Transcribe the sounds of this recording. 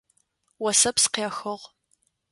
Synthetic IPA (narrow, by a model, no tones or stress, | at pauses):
wɔsɐpsqeːxɨʁ